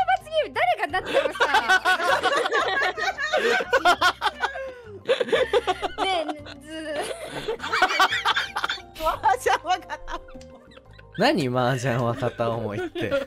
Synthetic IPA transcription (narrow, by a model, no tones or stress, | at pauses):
eβat͡sɨɡʲid̪aɾeɡanat̪ːeaa | ed͡zɨ | mad͡ʑãwakat̪a | naɲ̟imaːd͡ʑãɰ̃βat̪at̪aomoit̪ːe̞